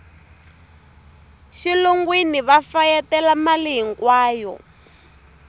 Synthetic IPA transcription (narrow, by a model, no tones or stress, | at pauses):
ʃiluŋɡwiniβafajɛtɛlamaliɦiŋkwaːjɔ̰